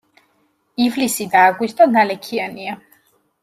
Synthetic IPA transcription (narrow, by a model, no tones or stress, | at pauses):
ivlisid̪aːɡwist̪ʼɔnalɛkʰiania